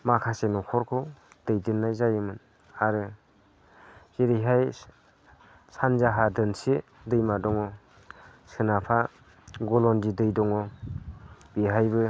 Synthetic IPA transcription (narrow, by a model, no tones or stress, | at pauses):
makʰasenɔkʰɔɾkʰɔ | d̥ɯjdɯnːajzajɯmɯn | aɾɯ | z̥eɾijɦaj | sanzaɦadɯnse | dɯjmadɔŋɔ | sɯnapʰa | ɡɔlɔndidɯjdɔŋɔ | b̥iɦajbɯ